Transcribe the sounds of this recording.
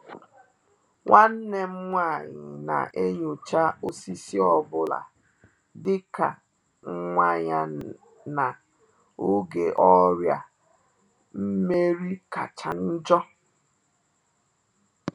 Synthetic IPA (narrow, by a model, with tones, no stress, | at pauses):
ŋʷʔa˦n̩˦ne˨m̩˦ŋʷa˦˨ɲɪ˨na̰˨ʔe˦ɲo˨t͡ʃa˦o˨si˦si˦ɔ˦bʊ˨la̰˨ | dɪ˦ka̰˨ | ŋ̩˦ŋʷa˦˨ɲa˨ | na˨ | ʊ˦ɡe˨ʔɔ˦ɾja̰˨ | m̩˦me˦ɾi˦ka˨t͡ʃa˨n̩˦d͡ʒɔ˦